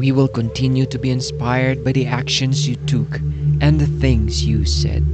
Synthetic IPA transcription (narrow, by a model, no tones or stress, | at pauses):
wiwɪlˠkə̃ntʰɪ̃njutubiɨ̃nspaɪəɹd̚baɪðiækʃɨ̃nzjutʰukʔɨ̃nθɪ̃ŋzjusɛ̰d̥